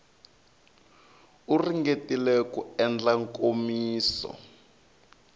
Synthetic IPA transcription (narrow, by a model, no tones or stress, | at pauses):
uriŋɡetilɛkuɛnd͡ɮaŋkomiːsɔ̰